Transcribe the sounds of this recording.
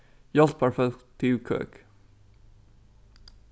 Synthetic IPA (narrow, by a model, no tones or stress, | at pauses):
jɑlt̪̚pʰæɹfɛt̪iʋkʰø̰ːk